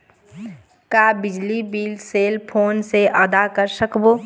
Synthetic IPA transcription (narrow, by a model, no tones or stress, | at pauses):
kabɪd͡ʒlibiːlseːlpʰoːnseʔəd̪akəɾsəkboː